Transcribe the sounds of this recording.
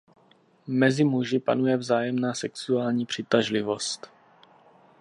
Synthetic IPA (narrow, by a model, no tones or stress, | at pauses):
mɛzɪmuʒɪpa̰nujɛvzaːjɛmnaːsɛksuaːlɲiːpr̝̥ɪt̪aʒlɪvo̞st̪